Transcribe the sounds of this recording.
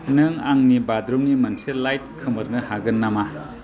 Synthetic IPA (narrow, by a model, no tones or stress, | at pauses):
nɯŋaŋnibadɾomnimɐnselajt̚kʰɯmɐɾnɯhaɡɯnːama